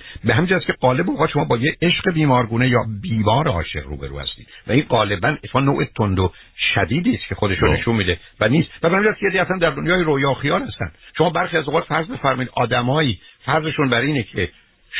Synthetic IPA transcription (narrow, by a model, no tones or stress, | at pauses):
beɦæmind͡ʒæskʲcʰeɢɒːle̞bomoʁɑːt̪ʃo̞mɒːbɒːjeeʃɢe̞biːmɒːɾɡuːnejɒːbiːmɒːɾeɒ̰ːʃe̞̰ʁrṵːbeɾṵːhæ̰st̪iːd̪væ̰inɢɒːle̞bæneɒːnːoːʔet̪ʰond̪o | ʃæd̪iːd̪iːst̪cʰe̞xod̪eʃonḛʃunmiːd̪e | væniːst̪væbehæmiːd͡ʒæskʰejeeæsænd̪æɾd̪onjɒːjeɾojɒːxijɒːlhæst̪æ̰nd̪ʃo̞mɒːbæɾxiːæzloʁɑːt̪fæɾzbefæɾmɑːid̪ʔɒːd̪æmɒːiːfæɾze̞ʃunbæɾiːnecʰe | ʃ